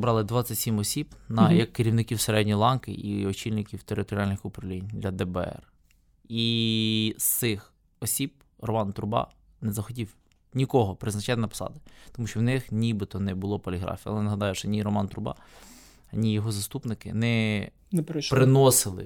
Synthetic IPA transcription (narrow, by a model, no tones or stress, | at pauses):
bɾɑlˠɪd̪ʋɑt͡sʲːɐtʲsʲimɔsʲibnɐjɐkːɪɾʲiwnɪkʲiwseɾɛdʲnʲilˠɑnkɪ̰ʔiɔt͡ʃilʲnɪkʲiwt̪eɾɪt̪ɔɾʲiɑlʲnɪxʊpɾɐwlʲinʲd̪lʲɐd̪ɛbɛɛ̰r | i | st̪ɪx | ɔsʲib̚ | rɔmɑnt̪ɾʊbɑ̰ | nɛzɐxɔtʲiw | nʲikɔɦɔpɾɪznɐt͡ʃɑt̪ɪnɐpɔ̥sɑ̰d̪ɪt̪ɔmuʃt͡ʃɔwnɪxnʲibɪt̪ɔnɛbʊlˠɔpɔlʲiɦɾɑ̰fʲiɐ̰lˠɛnɐɦɐd̪ɑjʊʃɔnʲiɾɔmɑnt̪ɾʊbɑ̰ | ɐnʲijɔɦɔzɐst̪upnɪkɪnɛ | npɾɪnɔsɪlˠɪ̰